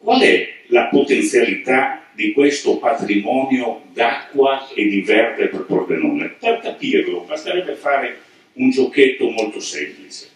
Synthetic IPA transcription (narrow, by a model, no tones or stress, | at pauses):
kwalɛlapot̪ent̪sjalit̪ad̪ikwest̪opat̪ɾimɔːnjod̪akːwaed̪ivɛrd̪eperpɾɔpɾono̰ːnḛperkapiːrlobast̪aɾɛbːefaːɾe | und͡ʒokːet̪ːomolt̪osɛ̰mplit͡ʃe̥